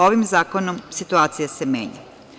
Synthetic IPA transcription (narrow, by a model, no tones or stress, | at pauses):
o̞ʋimzaːkonomsit̪uaːt̪sijase̞me̞̰ːɲa̰